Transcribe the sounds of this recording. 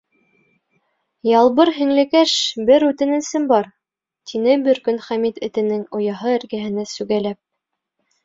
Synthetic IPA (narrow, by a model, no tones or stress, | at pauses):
jɑlˠbɤɾɦɘ̆ŋlɘ̆kæʃbɘɾʉt̪ɘ̆nɘ̆sɘmbɑɾ | t̪ʰinɘbɘ̆ɾkɵnχæmit̪ɘ̆t̪ɘ̆nɘŋŏjɑɦɤɘ̆ɾɡæɦɘ̆næsʉɡælæp̚